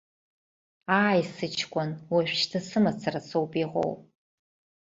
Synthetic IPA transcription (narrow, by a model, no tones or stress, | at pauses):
aːjsɨt͡ʃʰkʷʼanwaʃʷᶣʃtʰasɨmat͡sʰarasowpʼiʁo̰wʼ